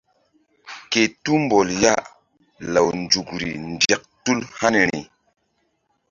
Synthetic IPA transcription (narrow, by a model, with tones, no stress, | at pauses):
ke˨tu˦mbo˨lja˦ʔ | la˨wnd͡ʒu˨kɾḭ˨nde˨k̚tu˦lha˦ni˨ɾi˨